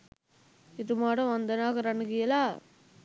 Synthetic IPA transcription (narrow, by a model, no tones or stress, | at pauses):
ɪðɯmaːɽɐ̃ʋɐnd̪ɐnaːɣɐɾɐnɯɣɪjɐlaː